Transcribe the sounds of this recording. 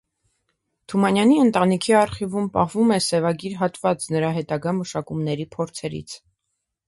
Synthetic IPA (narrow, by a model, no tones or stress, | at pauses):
t̪ʰumɑnjɑniənt̪ɑnikʰiɑɾχivumpɑ̰hvumɛsɛvɑɡiɾɦɑt̪vɑt͡snəɾɑɦɛt̪ɑɡɑməʃɑkumnɛɾipʰɔɾt͡sʰɛɾḭt͡sʰ